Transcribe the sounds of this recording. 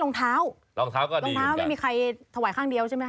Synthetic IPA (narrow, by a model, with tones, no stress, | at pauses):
lo˧ŋt̪ʰaː˦˥w | lɔː˧ŋt̪ʰaː˦˥wkɔː˥˩lo˧ŋt̪ʰaː˦˥wma˥˩jmiː˧kʰa˧jt̪ʰa˧waː˨˩˦jkʰaː˥˩ŋdi˧əwt͡ɕʰa˥˩ma˦˥